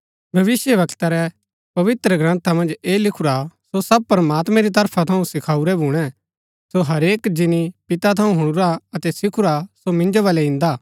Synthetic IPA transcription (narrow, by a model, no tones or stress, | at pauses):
bʱɐʋɪsjəʋɐkt̪aɾɛ | pɐʋɪt̪ɾəɡɾãːnt̪amɐ̃nd͡ʒeːlɪkʰuɾasosɐb̚pɐɾmaːt̪mɛ̃ɾit̪ɐɾpʰat̪ʰɐũsɪkʰaːuɾɛbʱuːɽ̃ɛ | soɦɐɾeːkd͡ʒɪnipɪt̪at̪ʰɐũɦʊɽ̃ʊɾaɐt̪ɛsɪkʰʊɾasomɪ̃nd͡ʒoʋɐːlɛɪ̃nd̪aː